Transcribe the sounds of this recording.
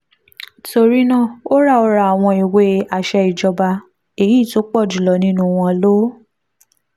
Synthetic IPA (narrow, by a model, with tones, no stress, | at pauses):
to˧ɾi˦nã˦˨o˦ɾa˦˨ɔ˧ɾa˧˨a˨w̃ɔ̃˧i˨we˨˦a˨ʃɛ˧i˨d͡ʒɔ˧ba˧ | e˨jiː˦˨to˦k͡pɔ˦˨d͡ʒu˨lɔ˨nĩ˦nũ˦˧w̃ɔ̃˧lo˦